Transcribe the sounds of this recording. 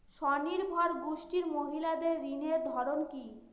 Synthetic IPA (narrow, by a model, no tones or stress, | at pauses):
ʃɔniɾbʱɔɾɡuʃʈiɾmoɦilad̪eɾːineɾd̪ʱɔɾonki